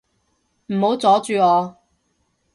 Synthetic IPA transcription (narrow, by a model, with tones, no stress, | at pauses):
m̩˨˩ho˨˥wt͡sɔː˨˥t͡ʃyː˨˧ŋɔː˨˧